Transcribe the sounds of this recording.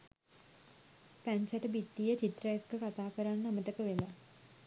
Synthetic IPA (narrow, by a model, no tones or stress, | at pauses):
pæɲsaʈəbit̪ːijət͡ʃit̪rəjekːəkat̪aːkəɾanːaməʈəkəʋela